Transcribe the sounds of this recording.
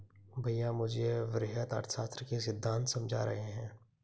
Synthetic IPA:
bʱəjːãmʊd͡ʒʱeʋɾɪɦət̪ə̰ɾt̪ʰsaːst̪ɾəkes̬ɪd̪ʱːãːnt̪sɐmd͡ʒʱa̰ɾɐ̰ɦeɦɛ̃ː

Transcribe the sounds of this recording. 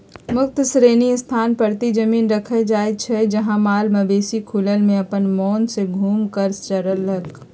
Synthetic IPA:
mʊk̚t̪sɾeːnist̪ʰaːnpəɾt̪id͡ʒəmiːnɾəkʰəd͡ʒaːet͡ʃʰɛd͡ʒəɦãmaːlməbeːsikʰulənmẽɐpənmɔːnseɡʱuːmkəɾst͡ʃəɾəlɦək

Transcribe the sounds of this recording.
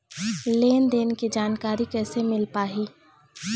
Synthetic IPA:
leːnd̪eːnkid͡ʒaːnkaːɾikɛːsemɪlpaːɦiː

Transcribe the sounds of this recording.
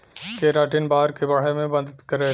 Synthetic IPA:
keɾaːʈɪnbaːɾkebɐɽ̤emẽbɐd̪t̪kɐɾeː

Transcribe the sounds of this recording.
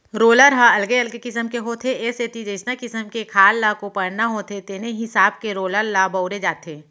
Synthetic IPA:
ɾoːləɾɦaɐlɡeɐlɡekɪsəmkeɦoːt̪ʰeeset̪id͡ʒəɪsnakɪsəmkekʰaːlːakopɐɽnaɦoːt̪ʰet̪eːneɦɪsaːbkeɾoːləɾlabɐʊɾed͡ʒaːt̪ʰeː

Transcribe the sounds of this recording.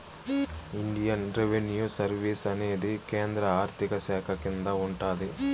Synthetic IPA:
iɳɖijɐnɾeʋenjuːsɐɾʋiːsɐne̞ːd̪ikeːnd̪ɾɐaːɾt̪ʰikɐsɛːkʰɐkind̪ɐuɳʈaːd̪i

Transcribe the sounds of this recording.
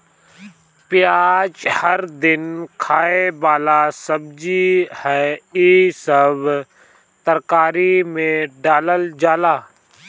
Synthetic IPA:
pɪjaːd͡ʒhəɾd̪ɪnkʰaːebaːlasəbd͡ʒihɛːiːsəb | t̪əɾkaːɾimẽɖaːləld͡ʒaːlaː

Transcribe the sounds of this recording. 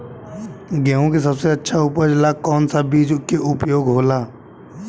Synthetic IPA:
ɡɛːõkes̬əbseɐtːʃʰauːpəɾd͡ʒɪlakɔːnsabiːd͡ʒʊkeʔʊpjoːɡɦoːlaː

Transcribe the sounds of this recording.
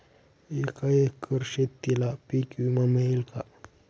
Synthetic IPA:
ikaehkʰəɾʃet̪ːilapikumameilkʰa

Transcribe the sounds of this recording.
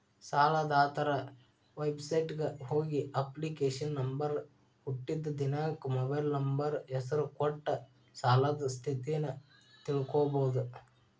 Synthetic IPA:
saːlad̪aːt̪ɐɾɐ | ʋɐjbsɐjʈɡɐhoːɡiʔɐplikeːʂɐnːɐmbɐɾ | huʈːid̪ːɐd̪inaːkumɔbɐjlnɐmbɐɾɛsɐɾukɔʈːɐ | saːlad̪ɐst̪ʰit̪ijɐnɐ | t̪iɭukoːbɐwud̪u

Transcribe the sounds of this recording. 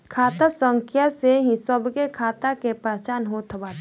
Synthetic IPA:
kʰaːt̪asə̃ŋkʰjaseɦĩsəbkekʰaːt̪akepɛt͡ʃaːnɦot̪ʰbat̪

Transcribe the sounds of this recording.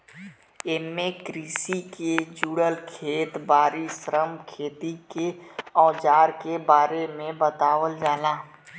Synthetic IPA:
eːmːẽkɾiːsiked͡ʒuːɽəlkʰeːt̪baːɾisɾəmkʰeːt̪ikeɔːd͡ʒaːɾkebaːɾemẽbət̪aːʋəld͡ʒaːlaː

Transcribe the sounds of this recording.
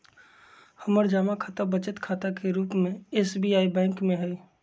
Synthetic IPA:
həməɾd͡ʒaːmakʰaːt̪abət͡ʃət̪kʰaːt̪akeɾuːpmẽeːsbijaːibɛ̃ːŋkmẽɦɛ

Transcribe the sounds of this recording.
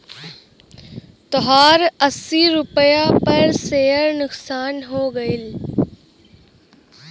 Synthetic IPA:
t̪ɔɦaːɾɐsiɾʊpəjapɐɾseːəɾnʊksaːnɦoːɡɐɪl

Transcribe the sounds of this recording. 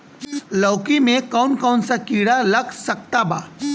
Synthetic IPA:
lɔːkimẽkɔːnkɔːnsakiːɽalɐksɐk̚t̪abaː

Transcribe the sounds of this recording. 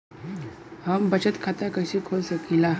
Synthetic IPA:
ɦambət͡ɕət̪kʰat̪akəɕikʰolsəkila

